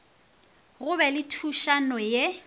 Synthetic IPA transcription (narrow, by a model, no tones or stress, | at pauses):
ɣʊbɛlɪtʰuʃanɔje